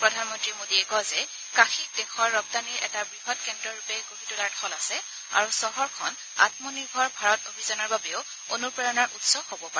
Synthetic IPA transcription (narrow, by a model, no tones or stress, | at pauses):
pɹɔdʱanmɔntɹimodiɛɡɔzɛ | kaxidɛxʰɔɹːɔb̚daniɹɛ̰tabɹiɦɔtkɛndɹɔɹupɛɡoɦitulaɹdʰʱɔlasɛ | a̰ɹusɔɦɔɹkʰɔn | a̰tmɔniɹbʱɔɹbʱaɹɔtobʱizɔnɔɹbabɛʊ | onupɹɛɹɔnaɹʔutsɔhobɔpaɛ